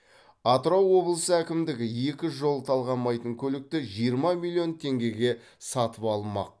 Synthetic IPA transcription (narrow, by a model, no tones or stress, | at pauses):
ɑt̪ɾɑwːo̞blˠəsəækʲɪmd̪ɪɡʲɪje̞kʲɪʒo̞lˠt̪ʰɑlˠʁɑmɑjt̪əɴkʲʰɵlɪk̚t̪ɪʒijəɾmɑmʲilʲˠːio̞nt̪ʰe̞ŋɡʲe̞ɡʲe̞ | sɑt̪əpɑlˠmɑ̰q̚